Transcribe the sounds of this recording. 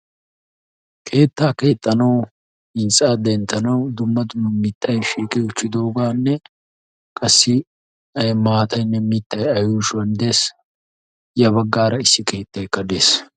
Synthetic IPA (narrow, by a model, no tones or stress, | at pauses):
kʰe̞ːt̪ːaːke̞ːt̪ʼːɐnɐw | ɪnt͡sʼaːd̪ɛnt̪ːɐnɐwd̪ʊmːɐd̪ʊmːɐmit̪ʰːɐjʃiːkʼɛʊt͡ʃːɪd̪o̞ːɡaːnːɛ | kʼɐsːɪ | ɐmaːt̪ʼɐjnːɛmit̪ːɐjɐjuːʃwɐnd̪eːs | jɐβɐɡːaːɾɐɪsːɪke̞ːt̪ːɐjkːɐd̪e̞ːs